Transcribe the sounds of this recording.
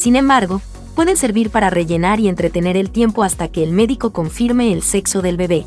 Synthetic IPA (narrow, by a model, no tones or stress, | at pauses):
sinẽ̞mbaɾɣo̞ | pwe̞ðe̞nse̞ɾβiɾpaɾare̞ʝe̞naɾie̞nt̪ɾet̪e̞ne̞ɾe̞lt̪je̞mpo̞ast̪ake̞ːlme̞ðiko̞ko̞ɱfiɾme̞ːlse̞kso̞ðe̞lβe̞βe̞